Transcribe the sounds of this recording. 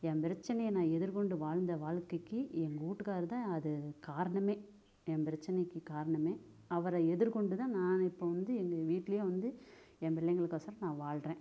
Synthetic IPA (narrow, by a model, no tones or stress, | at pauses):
ɛmpɪɾɐt͡ʃːɐnɐjɐnãːɛðɯɾkɔɳɖɯʋaːɻnd̪ɐʋaːɻkɐɪkːɯɛŋɡɐuːʈːɯkaːɾt̪ãːɐðɯkaːɾɐɳɐmeː | ɛ̃mpɪɾɐt͡ʃːɪnɐkːɯkaːɾɐɳɐmeː | ɐʋɐɾɐɛðɯɾkɔɳɖɯt̪ãːnãːnɪpːoːʋɐnd̪ɯɛŋɡɐʋiːʈːɪlɐjoːʋɐnd̪ɯ | ɛnpɪɭːɐŋɡɐɭɯkːasɐɾɐnãːʋaːɭɾẽː